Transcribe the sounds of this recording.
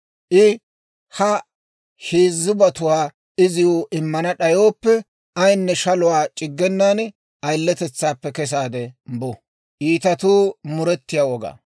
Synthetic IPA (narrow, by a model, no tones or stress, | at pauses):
ʔɪ | hɐ | heːzːɪbɐt̪ʊwaː | ɪzɪjoːʔɪmːɐnɐɗɐjo̞ːpːɛ | ɐjnːɛʃɐlʊwaːt͡ʃʼɪɡːɛnːaːn | ɐjlːɛt̪ɛt͡sːaːpːɛkɛs̬aːd̪ɛmbʊ | ʔiːt̪ɐt̪uːmʊɾɛt̪ːɪjaːwɔɡa̰ː